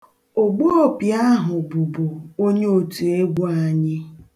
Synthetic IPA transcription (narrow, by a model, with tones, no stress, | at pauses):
o˨ɡ͡bo˦ɔ˦pja˦ɦʊ˨bu˨bo˨o˦ɲe˦o˨tu˨e˦ɡʷu˦a˨ɲɪ˦